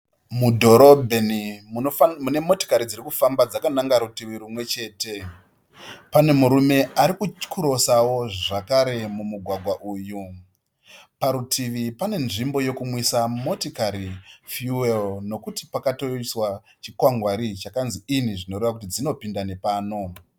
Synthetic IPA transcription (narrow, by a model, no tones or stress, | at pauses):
mudʱo̞ɾo̞bʱe̞ni | une̞mo̞to̥kaɾid͡ziɾikufambad͡zakanaŋɡaɾutiʋiɾumwe̞t͡ʃe̞ːte̞ | pane̞muɾume̞aɾikut͡ʃkʰuɾo̞sawo̞ʐʐakaɾe̞mumuɡʱwaɡʱwaʔuːju | paɾutʰiʋipane̞nʐimbo̞jo̞kumwisamo̞tikaɾifjuwelno̞kutipakato̞iswa | t͡ʃikwaŋɡwaɾit͡ʃakanziiniʐino̞ɾeʋak̬ut̬id͡zino̞pindane̞paːno̞